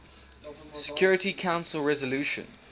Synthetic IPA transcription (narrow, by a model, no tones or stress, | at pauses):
sɪ̥kʰj̥ɔɹɪtikʰãʊ̃nsəlˠɹɛzəluʃə̰̃n